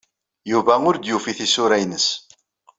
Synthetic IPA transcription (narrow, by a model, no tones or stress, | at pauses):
juvæʊɾd̪jufiθisʊɾæjnəs